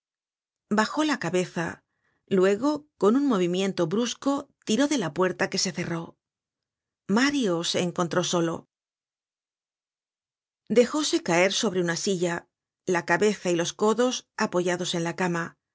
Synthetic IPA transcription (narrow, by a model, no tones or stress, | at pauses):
baxo̞lakaβe̞θa̰ | lwe̞ɣo̞ko̞nunmo̞βimje̞nt̪o̞βɾusko̞t̪iɾo̞ðe̞lapwe̞ɾt̪ake̞se̞θe̞ro̞ | maɾjose̞ːŋko̞nt̪ɾo̞so̞lo̞̰ | d̪e̞xo̞se̞kae̞ɾso̞β̞ɾe̞unasiʎa | lakaβe̞θailo̞sko̞ðo̞sapo̞ʝaðo̞se̞nlakama